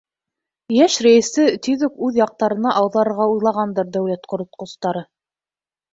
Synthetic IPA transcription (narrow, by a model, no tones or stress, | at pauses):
jæʃɾæjɘ̆sɘt̪iðukʉðjɑq̚t̪ɑɾɤ̆nɑʔɑwðˠɑɾɤ̆ɾʁɑujlˠɑʁɑnd̪ɤɾd̪æwlæt̪qŏɾŏt̪̚qŏst̪ɑɾɤ